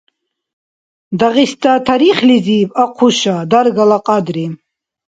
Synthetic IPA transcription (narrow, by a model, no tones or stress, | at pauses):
d̪aʁist̪at̪ʰaɾiχlizipaqʰuʃad̪aɾɡalaqʼad̪ɾi